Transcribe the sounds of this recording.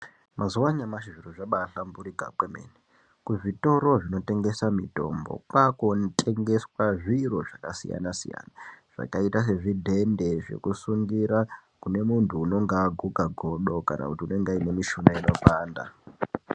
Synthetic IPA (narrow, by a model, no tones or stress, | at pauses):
mazuwaɲamaʃiʐiroʐaɓaɬambuɾika̰kwemḛne | kuʐito̞ɾo̞ʐino̞te̞ŋɡe̞samito̞̰mbo̞̰kwakontʰʼe̞ŋɡe̞swaʐiro̞ʐakasḭja̰nasḭja̰naʐ̥a̰kaitas̬e̞ʐidʱe̞nde̞ʐe̞̰kusuŋɡiɾakune̞muntʰuːno̞ŋɡaːɡʱukaɡʱoɗo̞ka̰nʔa̰kutiune̞ŋɡaine̞miʃunaino̞paːnda̰